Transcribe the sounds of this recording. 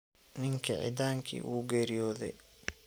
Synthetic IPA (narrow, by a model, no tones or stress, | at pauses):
nɪŋkʰɐʕɪ̰d̪aːŋkʰḭːʔuːɡɛːɾɪjɔːðɛj